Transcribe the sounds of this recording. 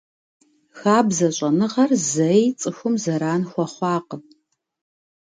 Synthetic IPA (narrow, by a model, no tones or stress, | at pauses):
xaːbzɐɕʷʼɐnɨʁɐrzɐjt͡sʼɨxʷʊmzɐɾaːnxʷɔχʷɑːqə